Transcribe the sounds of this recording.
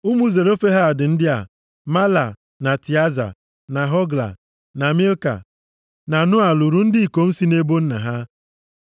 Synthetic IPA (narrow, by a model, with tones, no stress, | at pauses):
ʊ˦mu˦ze˨ɾo˦fe˦ɦa˦˨dɪ˨n̩˦dɪ˦a̰˨ | ma˦la̰˨ | na˨ti˨a˦za̰˨ | na˨ɦɔ˦ɡla̰˨ | na˨mi˦o˦ka̰˨ | na˨nʊ˦a˨lu˨ɾu˦n̩˦dɪ˦i˨ko˨n̩˦si˦ne˦bo˦n̩˦na̰˨ɦa˦